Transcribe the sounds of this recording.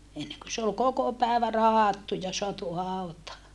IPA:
enːeŋkø se ol koko pæˑeʋæ rɑhɑtːu jɑ soɑtu hɑˑutɑː

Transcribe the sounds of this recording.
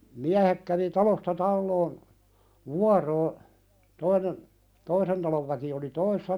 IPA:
miæhek kæʋi tɑlostɑ tɑlːoːn ʋuɑroː toinen toisen tɑloʋ ʋæki oli toisesːɑ

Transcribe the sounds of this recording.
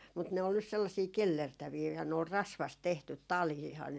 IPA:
mut ne ol nys selːɑsiː kelːertæʋiː jɑ ne ol rɑsʋɑst tehtyt tɑliːhɑn

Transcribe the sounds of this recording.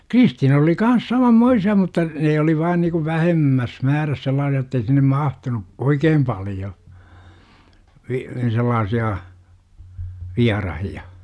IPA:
kristiːnɑs oli kɑns sɑmɑmːoisiɑ mutːɑ neː oli ʋɑːn niku ʋæhemːæs mæːræs selˑɑːsiɑ otːei sinːem mɑhtunu oikeːm pɑljo ʋi selːɑːsiɑ ʋiɑrɑhiɑ

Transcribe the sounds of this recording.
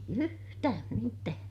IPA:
yhtæːm mitæː

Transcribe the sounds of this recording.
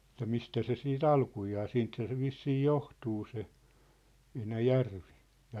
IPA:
ĕtːæ mistæ se siːt ɑlkujɑː siːnthæ se ʋisːiː johtuː se enæjærʋi jɑ

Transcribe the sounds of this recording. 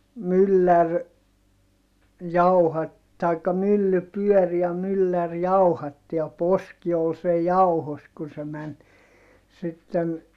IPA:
mylːær jɑuhɑt tɑikːɑ mylːy pyœˑr jɑ mylːær jɑuhɑtːi jɑ poski ol sej jɑuhos kun se mæn sitːen

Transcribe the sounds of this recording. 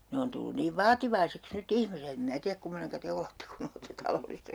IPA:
ne on tulːun niːʋ ʋɑːtiʋɑiseks nyt ihmiset em mĭnæ tiæk kumːoneŋkɑ te oletːe kun oletːe tɑlolːistɑ

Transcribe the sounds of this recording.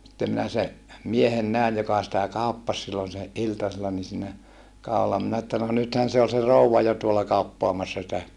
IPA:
sitːem minæ se miehen næˑij jokɑ sitæ kɑˑupːɑs silːon se ʔiltɑselːɑ ni siːnæ kɑˑu̞lːɑ minæ etːæ no nythæn̞ se ol se rouʋɑ jo tuolɑ kɑupːoɑmɑsːɑ sitæ

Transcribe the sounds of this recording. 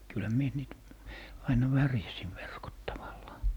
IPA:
kylhæ mie niːt ɑinɑ ʋærjæsiʋ ʋerkot tɑʋɑlːɑː

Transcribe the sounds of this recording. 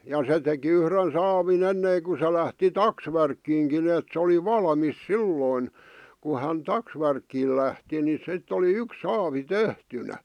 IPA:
jɑ se teki yhren sɑːʋin enːeˑĭŋku se læhti tɑksʋærkːiːŋkin eˑt se oli ʋɑlɑ̆mis silːoin ku hæn tɑksʋærkːiːl læhti ni sitː oli yks sɑːʋi tehtynæ

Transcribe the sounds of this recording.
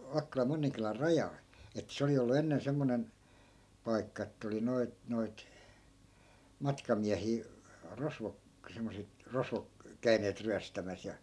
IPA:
ʋɑkːolɑm monːiŋkylær rɑjɑl etːæ̆ se oli olːu enːen semːonen pɑi̯kːɑ etːæ oli noit noit mɑtkɑmiæhiː rosʋok semːoset rosʋok kæy̞neːt ryæstæmæs jɑ

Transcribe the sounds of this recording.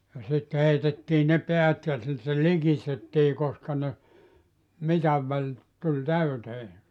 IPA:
jɑ sit heitetːiː ne peæt jɑ sitːe likistetːiː koskɑ ne mitɑʋ ʋælʲ tulʲ tæyteː

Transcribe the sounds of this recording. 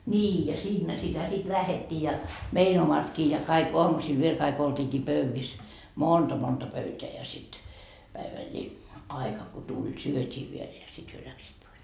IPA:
nʲiː jɑ siːnːæ sitæ sit læhetːiː jɑ mein omɑtkiː jɑ kɑik oɑmusil ʋiel kɑik oltʲiːkiː pøʋːis montɑ pøyteæ jɑ sit pæiʋælːi ɑikɑ ko tulʲ syøtʲiː ʋiel jɑ sit hyø læksiːt pois

